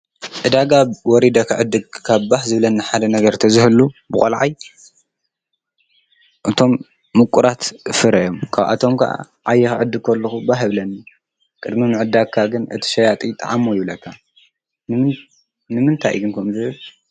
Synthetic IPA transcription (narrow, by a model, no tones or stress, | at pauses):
ʔɨd̪aɡawɔɾid̪ɐkʰaʕɨd̪ːɨɡkʰaβbahzɨβlɐnːiħad̪ɐnɐɡɐɾt̪ʰɐzɨhɨlubɨkʼɐ̰lʕaj | ʔɨt̪ʰo̞mː | ɨkʼːuɾat̪fɨɾɐjo̞mkʰaβʔa̰t̪ʰo̞mkʰɐ̰ʔa̰ | ʕajːɛxʕɨd̪ːɨɡ̚kʰɐlːɐxubaħɨβlɐnːi | kʼɨd̪minɨʕɨd̪akʰːaɡɨnɨt̪ʰi̥ʃɐjat̪ʼit̪ʼa̰ʕamːojɪβlɐkʰːa | nɨ | nɨmɨnt̪ʰa̰jɡɨnkʰɐmzɨβɨl